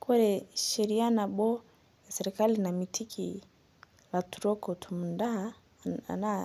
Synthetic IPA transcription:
kɔɾɛʃɛɾianaɓɔ | jasɛɾɛkalinamitʰikʰi | latuɾɔkɔtʰumunda̰ | na

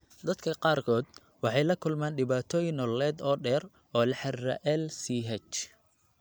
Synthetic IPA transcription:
d̪ɐd̪kʰɐqɑːrkʰɔːd̪̚ | wɑħɑjlɐkʰʊlmaːnɖɪβaːt̪ʰɔːjɪnɔlɛːd̪ɔːɖɛːr | ɔːlɐħɛrːɐ̰ʔɛlsiːɦɛt͡ʃ

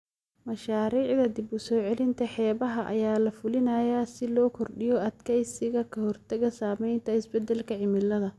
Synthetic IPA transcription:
mɐʃaːɾiːʕd̪ɐd̪ɪbʊsɔːʕɛlɪnt̪ʰɐħɛːβɐɦɐʔɐ̰jaːlɐfʊlɪnɐːjaːsɪlɔːkʰɔrɖɪjɔɐd̪kʰɛjsɪɣɐkʰɐhɔrt̪ʰɐɣɐsaːmɛjnt̪ʰɐɪsbɛd̪ɛlkʰɐʕɪmɪlːɐðɐ

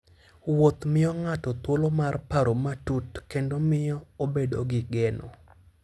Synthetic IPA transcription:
wot̪mɪɔŋatɔt̪wolomarpaɾomatutkendomɪjɔobedo̰ɡɪɡɛnɔ̰

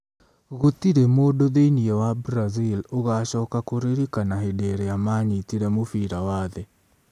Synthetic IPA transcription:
ɣotiɾemoːdoðeiniɛwabɾaziloɣaʃɔːkakoɾeɾikanaɦedeɾɛjamaːɲitiɾɛmofiːɾawaːðɛ

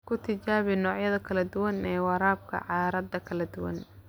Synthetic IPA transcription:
kʰʊt̪ʰɪt͡ʃaːβɪnɔːʕjɐðɐkʰɐlɐd̪ʊwɐnɛːwɑɾaːb̚kʰɐ̰ʕɑːɾɐd̪ɐkʰɐlɐd̪ʊwɐ̰n

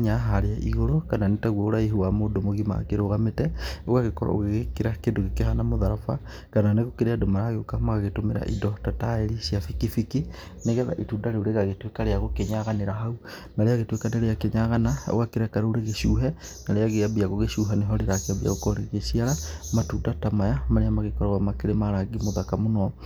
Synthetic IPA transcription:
ɲaɦaɾeaʔiɣoɾokananetaɣwɔoɾaiɦuwamondomoɣima̰keɾoɣametɛoɣaɣekɔɾa̰o̰ɣeɣekeɾakendoɣekehanamoðaɾafa̰ | kananeɣokeɾeadomaɾaɣeokamaɣaɣetomeɾa̰ʔḭdɔtataeɾisjafikifiki | neɣɛða̰ʔitudaɾeoɾeɣaɣetwekaɾeaɣokeɲaɣaneɾaɦau | naɾeaɣetwekaneɾejakeɲaɣanao̰ɣakeɾɛkaɾaouɾeɣeʃuːɦɛ | naɾeaɣeabiaɣoɣeʃuːɦaneɦɔɾeɾakeabia̰ɣokɔɾeɣeʃiaɾamatudatamajamaneamaɣekɔɾawamakeɾemaɾaɡimoðakamonɔ

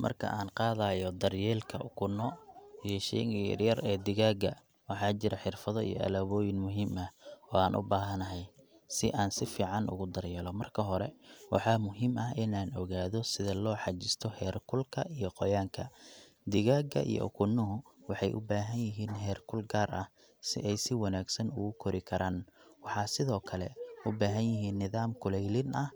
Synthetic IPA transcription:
mɐ̰rkʰɐ̰ʔaːnqɑːðajɔd̪ɐrjɛːlkʰɐʔʊkʰʊnɔijɔʃɛ̰jŋ̰rjɐrɛːd̪ɪɣaːɡɐ̰ | wɑħɑːt͡ʃɪɾɐħɪrfɐðɔḭjɔ̰ʔɐ̰lɐβɔːjɪnmʊɦiːmɐhɔːaːnʔʊ̰baːɦɐnɐɦɛj | sɪʔaːnsɪfiːʕɑnʊ̰ɣʊd̪ɐrjɛːlɔmɐrkʰɐɦɔɾɛ̰wɑ̰ħɑːmʊɦimɐɦɪnaːnɔɣaːðɔsɪðɐlɔːħɑt͡ʃɪst̪ʰɔhɛːrkʰʊlkʰɐʔijɔqɔjaːŋkʰɐ | d̪ɪɣaːɡɐ̰ʔḭjɔ̰ʔʊ̰kʰʊnʊɦʊwɑħɑjʔʊ̰baːɦɐnjɪɦiːnɦɛːrkʰʊlɡaːrʔɐh | sɪ̰ʔɛjsɪwɑnaːɡsɐnʊ̰ɣʊkʰɔɾɪkʰɐɾʔaːnwɑħɑːsɪðɔːkʰɐlɛ̰ʊbaːɦɐnjɪɦiːnːɪðaːmkʰʊlɛjlɪnʔɐh

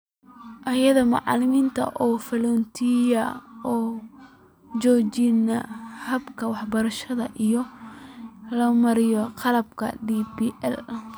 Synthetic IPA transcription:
ʔɐjɐðɐmɑ̰ʕɑ̰lɪmiːnt̪ʰɐ̰ʔɔːfɐlɔnt̪ʰijɐɔː | t͡ʃɔːt͡ʃɪnɐ̰hɐbkʰɐwɑħbɐɾɐʃɐðɐʔijɔ | lɐmɐɾɪjɔqɑlɐbkʰɐ̰ɖibiʔɛ̰l

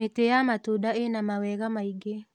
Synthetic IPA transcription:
etejamatudaenamawɛɣamaiɡe

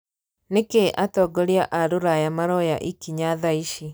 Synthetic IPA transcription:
nekeʔatɔɡɔɾiaʔaɾoɾajamaɾɔja̰ʔikiɲaðaiʃi

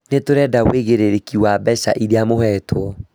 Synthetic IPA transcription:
netoɾɛdaɣweɣeɾeɾekiwabɛɕa̰ʔiɾeamohɛtʰwɔ

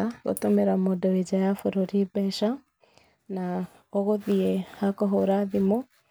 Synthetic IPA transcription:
aɡɔ̰t̪ɔmeɾamɔdɔid͡ʒajafɔɾɔɾibɛʃa | na | ɔɣɔðiehakɔɦoɾaðimɔ

